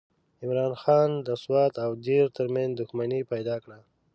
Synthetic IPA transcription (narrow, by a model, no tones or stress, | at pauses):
ɪmɾɑːnxɑnd̪əswɑt̪awd̪eɾt̪əɾmãnzd̪ʊxmanipajd̪ɑkɽa